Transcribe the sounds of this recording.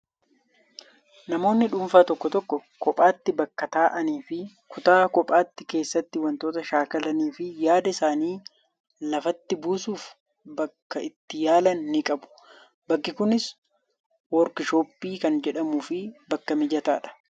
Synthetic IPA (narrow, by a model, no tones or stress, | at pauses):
nɐmo̞ːnːɪᶑʊmfaːt̪ɔkːɔt̪ɔkːɔkɔpʼaːt̪ːɪbɐkːɐt̪aːʔɐniːfɪ | kʊt̪aːkɔpʼaːt̪ːɪke̞ːsːɐt̪ːɪwɐnt̪oːt̪ɐʃaːkɐlɐniːfɪjaːd̪ɐɪsaːniː | lɐfɐt̪ːɪbuːsuːf | bɐkːɐɪt̪ːɪjaːlɐnːɪkʼɐbʊ̥ | bɐkːɪkʊnɪs | wɔɾkɪʃoːpːiːkɐnd͡ʒɛᶑɐmuːfɪbɐkːɐmɪd͡ʒɐt̪aːᶑɐ̥